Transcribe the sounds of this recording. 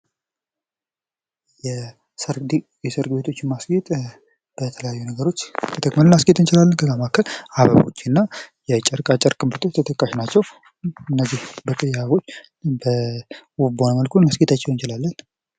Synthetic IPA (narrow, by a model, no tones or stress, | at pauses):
jɛ | səɾd̪i | jɛsəɾɡbet̪ʰo̞t͡ʃːmasɡet̪ʼ | b̥ət̪ʰələjajːunəɡəɾo̞t͡ʃːt̪ʰət̪ʰəkʼmələnasɡet̪ɨnt͡ʃɪlalːənkʰəɡamakʰːəlaβə̰βo̞̰t͡ʃːɪnːajɛt͡ʃʼɛɾkʼat͡ʃʼːɛɾkʼɨmɨɾt̪ʰot͡ʃːt̪ʰət̪ʰəkʼːaʃnat͡ʃːɛw | ɨnːəzːihbək̪ʼɨjːaβo̞t͡ʃː | bəwubonməlkʰunmasɡet̪ʰat͡ʃːɛwɨnt͡ʃɪlalːən